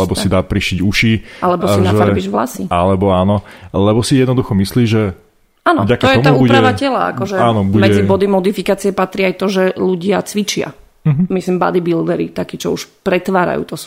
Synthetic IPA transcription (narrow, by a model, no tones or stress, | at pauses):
lɛbɔsid̪apɾiʃiɟuʃiʔalɛbɔsinaʒfɛaɾbiʒvla̰sia̰lɛbɔaːnɔlɛbɔsijɛd̪nɔd̪uxɔmisliːʒɛ | aːnɔvɟaktaɔtjɛɔmauuuɟɛɾaʋacɛla̰a̰kɔʒɛaːnɔbumɛɛd͡zibɔd̪imɔd̪ifikaːt͡siɛpat̪ɾiːajt̪ɔʒɛluɟɪat͡sʋit͡ʃɪa̰ | ɦmislimba̰d̪ibild̪ɛɾit̪akiːt͡ʃɔuʃpɾɛt̪ʋaːɾa̰jṵːt̪ɔs